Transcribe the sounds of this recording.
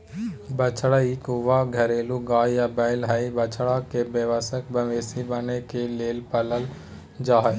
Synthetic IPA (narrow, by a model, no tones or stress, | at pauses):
bət͡ʃɽaikʊʋaɡʱɐɾeːluɡaːjabəɪlɦəibət͡ʃʰɽakebeʋəsək̚bəʋeːsibənekeleːlpələl | d͡ʒaːɦə